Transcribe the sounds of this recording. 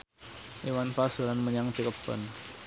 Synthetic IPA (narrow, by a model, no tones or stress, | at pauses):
ʔiwanfasəlanməɲaŋt͡ʃəkəpːə̰n